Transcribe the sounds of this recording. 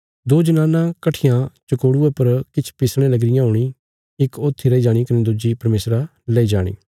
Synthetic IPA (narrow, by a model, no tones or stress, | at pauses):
d̪oːd͡ʒənaːnãkɐʈʰɪjãt͡ʃɐkoːɽuepɐɾkɪt͡ʃʰpɪsɽ̃ẽlɐɡɾɪjãɦʊːɽ̃i | ɪkoːt̪ʰːiɾɐid͡ʒaːɽ̃ikɐned̪ʊd͡ʒipɐɾmeːsɾa | lɐid͡ʒaːɽ̃ḭː